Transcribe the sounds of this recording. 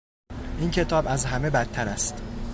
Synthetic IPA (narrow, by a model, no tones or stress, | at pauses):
ʔiːncʰe̞t̪ʰɒːbæzɦæme̞bæt̪ʰːæɾæst̪